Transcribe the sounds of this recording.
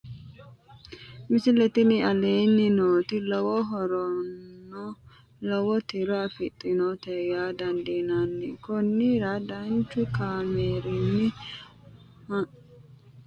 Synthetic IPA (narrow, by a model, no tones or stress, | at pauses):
mɪsɪlɛt̪ɪnɪɐleːnːɪnoːt̪ɪlɔwɔɦɔɾɔnːɔ | lɔwɔt̪ɪɾɔɐfɪt̪ʼːɪnɔt̪ɛɡaːd̪ɐnd̪ɪnɐnːɛkʊnːɪɾad̪ɐnt͡ʃːʊkaːmeːɾɪnːɪ | h